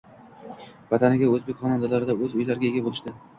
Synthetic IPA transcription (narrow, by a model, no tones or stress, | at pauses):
vat̪ʰanɪɡʲaɵzbekʲχɒnand̪alaɾɪd̪aɵzʊjlaɾɪɡʲaeɡʲabolɪʃt̪ɪ